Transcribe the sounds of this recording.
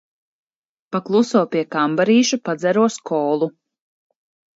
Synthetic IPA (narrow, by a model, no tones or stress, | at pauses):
paklˠusɔɔpiɛkambaɾiːʃupad̪zɛɾuɔskɔːlˠu